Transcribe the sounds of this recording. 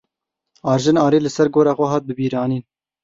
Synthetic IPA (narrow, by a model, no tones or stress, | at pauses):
ɑːɾʒɪnɑːɾiːlɨsɛɾɡoːɾɑːxʷɛɦɑːt̪̚bɨbiːɾɑːniːn